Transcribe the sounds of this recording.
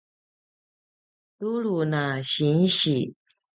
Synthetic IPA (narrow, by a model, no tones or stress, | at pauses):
t̪ulunaɕinɕi